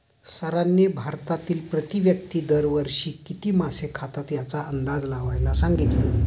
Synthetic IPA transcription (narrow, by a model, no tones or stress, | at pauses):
səɾanːebʱaɾt̪at̪iːlpɾət̪iʋjək̚t̪iːd̪əɾʋəɾʂiːkit̪iːmasekʰat̪at̪jat͡saʔənd̪ad͡zlaʋajlasaŋɡit̪le